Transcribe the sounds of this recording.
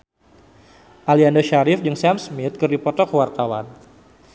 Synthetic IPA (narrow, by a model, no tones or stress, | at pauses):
ʔaliandoʃaɾɪfd͡ʒɨŋsamsmit̪̚kɨrdipɔt̪ɔrkəwart̪awa̰n